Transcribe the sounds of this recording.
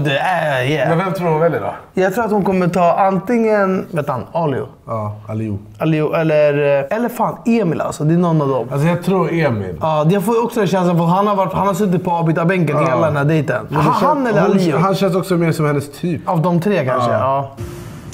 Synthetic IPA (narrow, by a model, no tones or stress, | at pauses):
d̪ɛæjɛmɛnvɛmt̪ʰɾuːɾhʊnvɛljɪd̪ɔ̰jɑːɡt̪ʰɾuːɾat̪hʊnkʰɔmːət̪ʰɑːʔant̪ɪŋːənveːt̪ːha̰nɑlɪʊ̰ | ɑːalṵː | aliuʔɛlːəɾɛlːəɾfaːneːmɪlʔa̰lsɔd̪ɛnɔnːavd̪ɔ̰mals̬ɔjɑːɡ̚t̪ʰɾuːɾeːmɪ̰lɑːd̪ɛfoːjɔksɔd̪ɛnɕɛns̬lafat̪hɦanhaɾvaʈːhanhaɾs̬ɵt̪̬ːɪt̪̚pʰɔɑːbiːt̪abɛŋk̬ənɪalːad̪ɛnæːɖɛjt̪ənmɛnd̪ɛhanːɛlːəɾaliːʊɦanɕɛns̬ɔksɔmeːɾsɔmhɛnːəst̪ʰyːpavd̪ɔmt̪ʰɾeːkanʂə̰ɑː